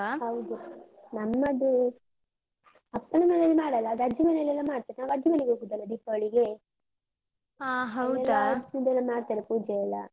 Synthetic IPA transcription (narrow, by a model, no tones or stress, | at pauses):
ɦɐwd̪u | nɐmːɐd̪u | ɐpːɐnɐmɐneɐlːimaːɽɐlːɐːd̪ɐd͡ʒːimɐnɐlɛlːɐmaːɽt̪aːɾenaːʋɐd͡ʒimɐneɡeoːɡud̪ɐlːɐd̪ipːɐɐɭiɡe | aːɦɐwɛlɐɐd͡ʒmɐd̪ɛlːɐmaːɽt̪aːɾepuːd͡ʒɛɛlːɐ̰